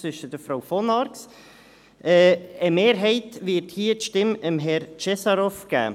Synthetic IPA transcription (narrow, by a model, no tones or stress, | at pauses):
t͡sʏʃəd̥əfɾaʊfɔnɑɾks | ʔɛəmeːɾɦɛɪtvɪɾthiːətʃtɪməmɦɛɾt͡ʃɛsɑɾɔfɡ̥æ̰ː